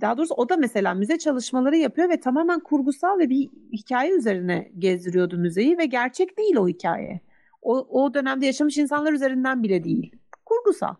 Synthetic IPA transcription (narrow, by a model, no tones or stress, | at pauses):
d̪̥aɦːd̪o̞ɾusuo̞d̪amese̞lʲaːmyzɛt͡ʃʰalˠɯʃmalˠaɾɯjapʰɯjo̞vɛt̪ʰamaːmænkʰuɾɡusalˠvɛbihicʰaːjɛyze̞ɾinɛ̰ɟezd̪iɾijo̞d̪umyze̞jivɛɟæɾt͡ʃʰɛcd̪ejilʲo̞hicʰa̰ːjɛ̰ | ood̪ø̞næmd̪ɛjaʃamɯʃinsanlˠaɾyze̞ɾind̪ænbilʲɛd̪ejḭlʲkʰuɾɡusa̰lˠ